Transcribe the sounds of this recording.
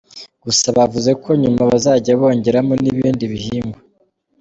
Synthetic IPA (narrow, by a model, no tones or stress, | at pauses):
ɡ̥usaβavuze̞kʰo̞ɲumaβazaːɟaβo̞ːɲɟe̞ɾamoniβiːndiβihiːmbo